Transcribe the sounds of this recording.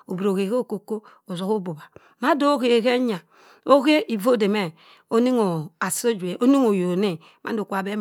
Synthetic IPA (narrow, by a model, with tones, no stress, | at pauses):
o˨bɾo˨ɣe˨ɣe˦˨ko˨ko˦ | o˨zo˨ɣo˦bo˨ba˨ | ma˦do˦ɣe˨ɣe˦ɲa˨ | o˦ɣe˦ʔi˨vo˦˨de˨me˦ | o˦ni˦ŋo˨a˨so˦d͡ʒu˨e˨ʔo˦ni˦ŋo˨jo˨ne˦ | mʔa̰˦do˨kʷa˨be˦m